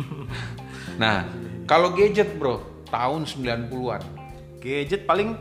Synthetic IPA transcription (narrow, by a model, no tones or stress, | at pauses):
nahkaloɡed͡ʒət̪̚bɾoh | t̪aʊnsəmbilanpuluan | ɡ̥ed͡ʒət̪̚palɪŋ